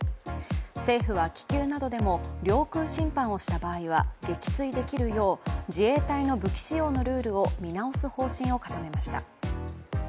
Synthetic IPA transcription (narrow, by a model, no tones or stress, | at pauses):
se̞ːɸɯ̟β̞akʲi̥kʲɨːnad̪o̞d̪e̞mo̞ɾʲo̞ːkɯ̟ːɕĩmpãɰ̃o̞ɕi̥t̪abaːiβ̞aɡ̥e̞kʲi̥t͡sɨid̪e̞kʲiɾɯ̟jo̞ːd͡ʑie̞ːt̪aino̞bɯ̟kʲi̥ɕijo̞ːno̞ɾɯ̟ːɾɯ̟o̞mʲinao̞sɨho̞ːɕĩɰ̃o̞kḁt̪ame̞maɕi̥t̪a̰